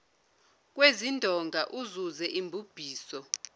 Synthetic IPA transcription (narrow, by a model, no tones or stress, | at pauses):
k̬ʼwezindʱɔŋɡʱaʔuzuzɛʔimbʱub̥ʱiːsɔ